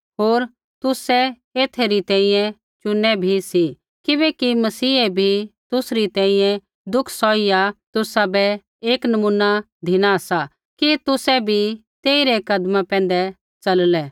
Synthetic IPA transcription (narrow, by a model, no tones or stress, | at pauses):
ɦoːɾ | t̪ʊsɛ | eːt̪ʰeɾit̪ɛ̃ːĩjɛ̃ | t͡ʃʊnːɛbʱisi | kɪβɛkimɐsiːɛbʱit̪ʊsɾit̪ɛ̃ːĩjɛ̃ | d̪ʊkʰsɔːijat̪ʊsabɛ | eːknɐmunːa | d̪ʱɪnaɐsa | kit̪ʊsɛbʱit̪eːiɾɛkɐd̪mãpɛ̃ːn̆d̪ɛ | t͡ʃɐllɛ